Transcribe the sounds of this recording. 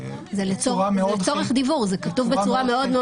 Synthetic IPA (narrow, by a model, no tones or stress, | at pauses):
zelet͡solet͡so̞ʁeχd̪ivuʁzekatuvbet͡suʁame̞o̞d̪me